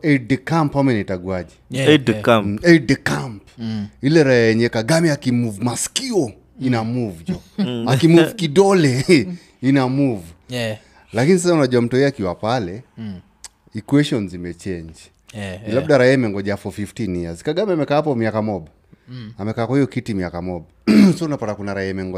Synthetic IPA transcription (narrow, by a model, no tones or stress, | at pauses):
ɛdɛkampamɛnitaɡuaʄɛ | ɛdɛkampilɛɾaaɛɲɛkaɡamiakimuvumaskiɔ | inamuvud͡ʒɔakimuvukiɗɔlɛ | inamuvu | lakinis̬asaunaʄuam̩tɔɛakiwapalɛ | ikwɛʃɔnzimɛt͡ʃɛɲd͡ʒ | ilab̚ɗaɾaiaimɛŋɡɔʄaafɔfiftiniazi̥kaɡamiamɛkaːapɔmiakamɔɓa | amɛkaːkwahijɔkitimiakamɔɓasɔunapatakunaɾaiamɛŋɡɔ